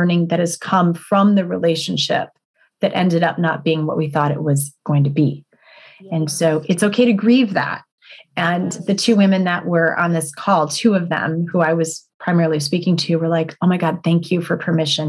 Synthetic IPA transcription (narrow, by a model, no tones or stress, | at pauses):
nɪ̃ŋðɨt̚hɨz̥kʰʌ̃ɱfɹʌ̃mðɨɹileɪʃɨ̃n̩ʃɪ̰p̚ | ðɨɾʔɛ̰̃ndɨɾʌp̚nət̚b̥iɪ̃ŋwʌ̰ʔ̚wiθɔɾɨ̰ʔ̚wʌzɡ̥oʊɪ̃ŋtʰɨbi | ɨ̃nsoʊʔɨtsoʊkʰeɪɾɨɡɹivðæ̰t̚ | ɨ̃nðɨtʰʉwɪ̃mɨ̃nðɨʔwə˞ʔə̰̃nðɪskʰɔlˠtʰʉʌvðɨ̰̃mhuaɪwʌz̥pʰɹ̥aɪmɛɹl̩ˠispikɪ̃ŋtʰʉwə˞laɪkʰoʊmaɪɡɑd̪̚θæ̃ŋkʰjɨfə˞pʰə˞mɪʃɨ̃n